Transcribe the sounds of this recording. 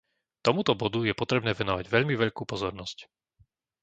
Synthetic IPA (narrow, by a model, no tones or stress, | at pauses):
t̪ɔmut̪ɔbɔd̪ujɛpɔt̪ɾɛbnɛːʋɛnɔʋaɟʋɛʎmiʋɛʎkuːpɔzɔɾnɔsc